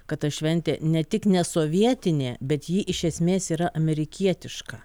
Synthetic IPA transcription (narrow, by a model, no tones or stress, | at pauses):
kɐt̪ɐʃʲʋʲɛnʲt̪ʲḛːnʲɛt̪ʲɪknʲɛsoːʋʲiɛt̪ʲɪnʲeːbʲɛt̪jiːʔɪʃʲɛsʲmʲeːsiːɾɐʔɐmʲɛɾʲɪkʲiɛt̪ʲɪʃkɐ